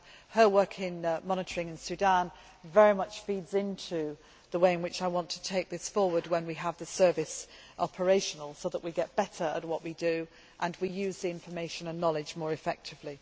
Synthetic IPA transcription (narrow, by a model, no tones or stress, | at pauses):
həwɜ˞kʰɪ̃nmɑñɨtʰə˞ɪ̃ŋɨ̃nsʉdæ̃n | vɛɹimʌt͡ʃfidzɪ̃ntʰʉ | ðəweɪɨ̃nwɨt͡ʃaɪwɑ̃ntʰə̥tʰeɪk̚ðɪsfɔɹwə˞d̚wə̃nwiəvðɨsɜ˞vɪsʔɑpʰə˞eɪʃənəl̩ˠsoʊðəʔwiɡɛt̚b̥ɛɾə˞ə̰t̚wʌʔwidɨ | ʔə̃nwijʉzðiɪ̃ɱfə˞meɪʃə̃nə̃nːɑlˠɪd͡ʒmɔːɹɨfɛk̚tʰɨvli